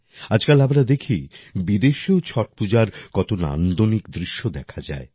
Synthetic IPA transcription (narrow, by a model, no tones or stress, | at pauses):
ad͡ʑkalamɾad̪ekʰibid̪eʃeot͡ɕʰɔʈ̚pud͡ʑaɾkɔt̪ona̰nd̪onikd̪ɾiʃːod̪ɛkʰad͡ʑa̰e